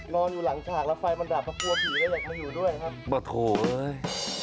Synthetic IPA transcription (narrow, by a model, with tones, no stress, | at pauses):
nɔː˧njuː˨˩la˨˩˦ŋt͡ɕʰaː˨˩k̚lɛ˦˥fa˧jma˧ndaː˨˩p̚ʰːa˧˦˥pʰu˧ɐpʰiː˨˩˦da˧˩jaː˨˩k̚ma˧juː˨˩du˥˩əjna˧˩kʰa˦˥p̚bɔː˨˩t̪̚kʰoː˨˩ʔɤː˧˥j